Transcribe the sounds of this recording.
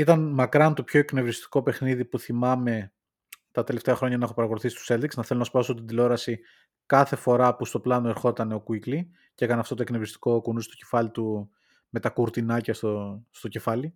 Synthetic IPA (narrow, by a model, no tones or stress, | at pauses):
it̪ɐnmɐkɾɐnt̪o̞pço̞e̞kne̞vɾist̪i̥ko̞pe̞xniðipuθimɐme̞ | t̪ɐt̪e̞le̞ft̪eɐxɾo̞ɲɐnɐexo̞pɐɾɐɣo̞luθisi̥st̪u̥se̞ld̪iksnɐθe̞lo̞nɐspɐso̞t̪ind̪ilo̞ɾɐsi | kɐθe̞fo̞ɾɐpust̪o̞plɐnoe̞ɾxo̞t̪ɐne̞okuikli | cee̞kɐneɐft̪o̞t̪o̞eknevɾist̪i̥ko̞kunust̪o̞ce̞̥fɐlit̪u | me̞t̪ɐkuɾt̪inɐcɐst̪ost̪o̞ce̞fɐli